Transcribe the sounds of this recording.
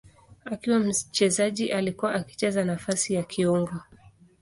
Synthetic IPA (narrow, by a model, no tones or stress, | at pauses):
akiwam̩t͡ʃɛzaʄiʔalikuwaʔaki̥t͡ʃɛzanafasijakʰiɔŋɡɔ